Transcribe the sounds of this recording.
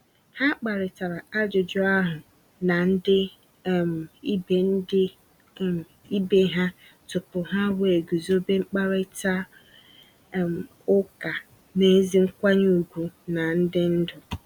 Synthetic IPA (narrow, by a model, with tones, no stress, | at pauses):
ha˦k͡pa˨ɾɪ˨ta˨ɾa˨a˦d͡ʒʊ˨d͡ʒʊ˦a˦ɦʊ˨ | na˨n̩˦dɪ˦˨ | m˨i˦be˨n̩˦dɪ˦ | i˦be˦ɦa˦ | tʊ˨pʊ˨ɦa˦we˨ɡu˨zo˦be˦ŋ͡m̩˦k͡pa˦ɾɪ˦ta˦˨ | m˨ | ʊ˦ka˨ | ne˦zi˦ŋ̩˦kʷa˦ɲ˦u˨ɡʷu˨na˨n̩˦dɪ˦n̩˦dʊ˨